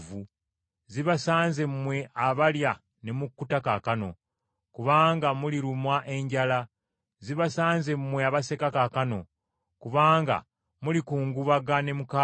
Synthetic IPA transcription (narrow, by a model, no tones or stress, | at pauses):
vu | ziβasaːnze̞mːwe̞ʔaβalja | ne̞mukːutakakano̞̰ | kuβaːŋɡamuliɾumwaʔe̞ɲɟala | ziβasaːnze̞mːwe̞aβase̞kakakano̞̰ | kuβaːŋɡa̰ | mulikuːŋɡuβaɡane̞muka